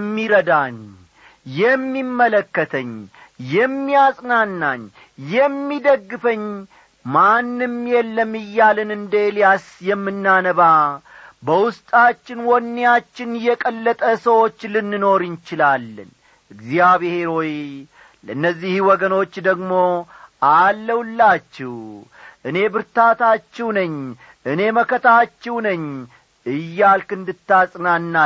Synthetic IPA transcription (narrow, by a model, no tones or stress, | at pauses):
mːiɾəd̪aɲ | jɛmːimːələkːət̪ʰəɲjɛmːijasʼnanːaɲ | jɛmːid̪əɡːɨfəɲ | manːɨmjɛlːəmɨjːalɨnɨnd̪eljasjɛmːɨnːanəβa | bəwʊst̪ʼat͡ʃːɪnwɔnːejat͡ʃːɪnjɛkʼəlːət̪ʼəsəwo̞t͡ʃːlɨnːɨno̞ɾɨnt͡ʃɪlalːə̰n | ɨɡzijaβehe̞ɾo̞j | lənːəzːihwɔɡəno̞t͡ʃːd̪əɡmo̞ʔalːəwlːat͡ʃːɛw | ʔɨne̞bɨɾt̪at̪at͡ʃːɛwnəɲː | ʔɨne̞məkət̪ʰat͡ʃːɛwnəɲː | ɨjːalkɨnd̪ɨt̪ːasʼnanːa